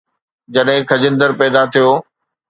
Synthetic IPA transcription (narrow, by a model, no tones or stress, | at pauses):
d͡ʑɐɗɦɪ̃kʰɐd͡ʑɪ̃nd̪əɾpɛːd̪at̪ʰijoː